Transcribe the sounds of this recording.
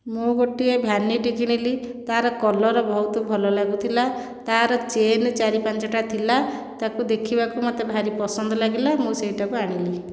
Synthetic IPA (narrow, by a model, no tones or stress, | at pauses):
mũɡoʈiebʱjanːiɖikiɽ̃ili | t̪aɾɔkɔlɔɾɔbɔɦut̪ɔbʱɔlɔlaɡut̪ʰila | t̪aaɾɔt͡ʃent͡ʃaɾipant͡ʃɔʈat̪ʰilat̪akud̪ekʰibakumat̪ebʱaɾipɔsɔnd̪ɔlaɡilamũseiʈakuaɽ̃ili